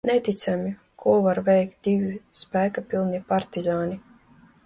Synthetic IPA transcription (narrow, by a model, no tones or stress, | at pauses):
nɛt̪ʲit̪sʲamʲi | kʰuɔvaɾvɛjkt̪̚d̪̥ʲivispæːkapʲilˠnipaɾt̪izaːnʲi